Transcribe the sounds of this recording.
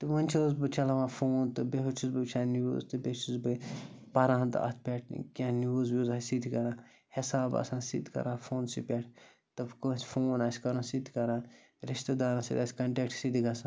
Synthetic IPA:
t̪ɨʋɐnʲt͡ʃʰoːz̬bɨt͡ʃʰɐlɐʋãːfoːnt̪ɨbeɦut͡ʃʰuzbɨt͡ʃʰaːnṵːzt̪ɨbʲet͡ʃʰuzbɨpɐɾãːɦnt̪ɨ̰ɐ̰t̪ʰpʲeʈʰkʲãnuːzbʲuːzasid̪ikɐɾãː | hisaːbɐ̰sãːnsḭd̪ikɐ̰ɾãːfʰoːnsipʲeʈʰ | t̪ɐbkõsʲfoːnasʲkɐɾɐ̃ːsid̪ʰi̥kɐɾãː | ɾiʃt̪ɐd̪aːɾɐ̃sḭd̪ʲasʲkɐɳʈek̚ʈsid̪iɡɐsã

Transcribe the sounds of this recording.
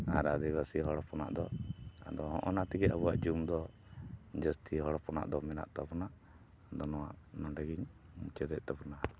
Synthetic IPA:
a̰ɾad̪iβasiɦɔɽɔpɔna̰ʔd̪ɔa̰d̪ɔɦɔ̰̃ʔɔnat̪iɡɛabuwaʔd͡ʒumd̪ɔ | d͡ʒəst̪ʰiɦɔɽɔpɔna̰ʔd̪ɔmɛna̰ʔt̪apɔnaʔ | d̪ɔnɔwaʔnɔɳɖaɡiɲ | mut͡ʃɛd̪ɛʔt̪apɔna

